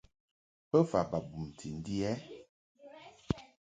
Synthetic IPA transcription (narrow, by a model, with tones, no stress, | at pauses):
pə˦fa˨ba˨bu˨m˨tʰi˨n̩˦di˦ɛ˦